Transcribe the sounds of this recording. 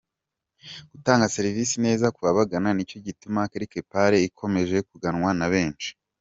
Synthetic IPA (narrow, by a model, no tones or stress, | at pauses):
ɡ̥utaːŋɡase̞ɾiviːsine̞ːzakuβaβaɡananico̞ɟitumakaɾike̞paɾe̞ikʰo̞me̞ʒe̞kuɡanŋwanaβe̞ːnt͡ʃi̥